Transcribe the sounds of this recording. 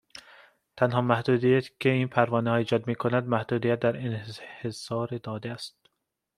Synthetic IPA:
t̪ʰænhɒːmæhd̪uːd̪iːjæt̪ʰcʰeiːnpʰæɾvɒːnehɒːjed͡ʒɒːd̪miːkʰonæd̪̚mæhd̪uːd̪iːjæt̪̚d̪æɾenhehesɒːɾed̪ɒːd̪eæst̪̚

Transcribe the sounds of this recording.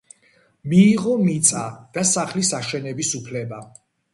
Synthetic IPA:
miːʁɔmit̪sʼad̪̥asaχlisaʃɛnɛbisupʰlɛba

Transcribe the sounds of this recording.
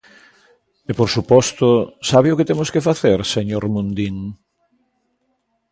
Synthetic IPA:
epoɾsupɔst̪ʊsaβeʊket̪emʊskefaθeɾseɲoɾmũnd̪iŋ

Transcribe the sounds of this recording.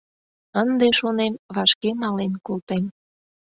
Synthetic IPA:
ənd̪eʃonemβɑʃkemɑlenkolˠt̪em

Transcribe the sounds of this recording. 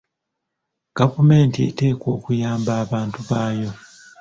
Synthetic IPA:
ɡ̥avume̞ːntiḛte̞ːkwo̞ːkujaːmbaːβaːntuβaːjo̞

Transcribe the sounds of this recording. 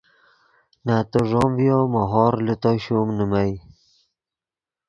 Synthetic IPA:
nat̪oʐomvjomaɦɔɾlut̪oɕumnumaj

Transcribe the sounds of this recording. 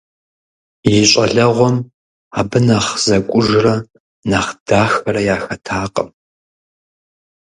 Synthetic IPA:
jɪɛɕʼɐɮɐʁʷɔm | aːbɨnaːχz̥ɐkʷʼʊʒrɐ | naχd̥aːxɐɾɐjaːxɐtʰaːqʼə̰m

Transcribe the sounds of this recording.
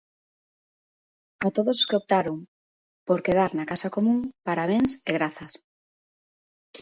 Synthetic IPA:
at̪oðoskeop̚t̪aɾoŋ | poɾkeð̞aɾnakasakomũŋpaɾaβ̞eŋseɣɾaθas

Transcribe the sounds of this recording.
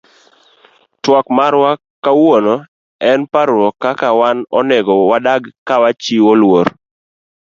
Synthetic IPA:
twɔkmaɾwa | kawonɔ | ɛnpaɾwɔkakawanɔ̰nɛɡɔwadaɡkawat͡ʃiwolwoɾ

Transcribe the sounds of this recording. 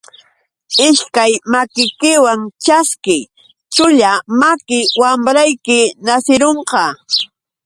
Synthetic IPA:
ɪʃkajmakɪjkɪwaŋt͡ʃaskɪj | t͡ʃʊʎamakɪwamɾajkɪnasɪɾoɴqɑ

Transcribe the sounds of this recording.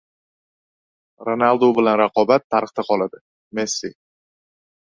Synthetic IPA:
ɾonalˠd̪obɪlanɾaqʰɒbat̪ʰːaɾɨχt̪ʰaqʰɒlˠad̪ɪ | mesːi

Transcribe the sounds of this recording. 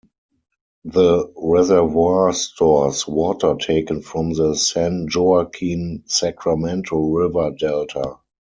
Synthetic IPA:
ðəɹɛzɛvastʰɔswɔːtʰə˞tʰeɪkə̃nfɹɔ̃mðəsæ̃nd͡ʒoakʰĩnsækʰɹamɛ̃ntʰəl̩ɹɪvə˞dɛltʰa

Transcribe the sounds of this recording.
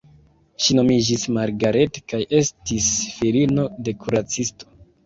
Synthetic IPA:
ʃino̞mid͡ʒismaɾɡaɾe̞tkajʔe̞stisfiɾino̞de̞kʰuɾat͡sisto̞̥

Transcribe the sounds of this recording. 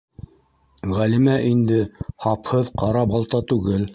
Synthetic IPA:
ʁælimæʔind̪ɘhɑphɤðqɑɾɑbɑlˠt̪ɑt̪ʉɡɘl

